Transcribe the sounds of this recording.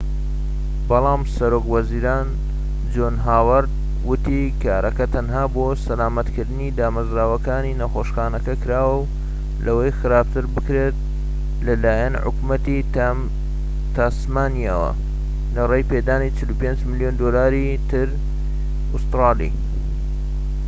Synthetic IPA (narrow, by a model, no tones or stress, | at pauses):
bɑlˠɑːmsɐɾoːkwɐziːɾaːn | d͡ʒoːnɦaːwɐɾd̪̚ | wʊt̪i | kaːɾʔɐkɐt̪ʰɐnɦaːbosɐlaːmɐt̪kɨɾd̪ɨnid̪aːmɐzɾaːwɐkaːninɐxoʃxaːnɐkɐkɨɾaːwɐw | lɐwɐjxɨɾaːb̚t̪ʰɨɾbɨkɾeːt̪̚ | lɐlaːjɐnʕʊ̰kmɐt̪i | t̪asmaːnijawɐ̰ | nɐrejpeːd̪aːnit͡ʃɨlupend͡ʒmɨljond̪oːlaːɾi | t̪ʰɨɾ | ʊst̪ɾɑːlḭː